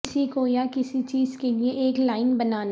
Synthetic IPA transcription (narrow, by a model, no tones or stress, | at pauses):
sikojakɪsit͡ʃiːzkelieʔeːklaːɪnbɐnaːn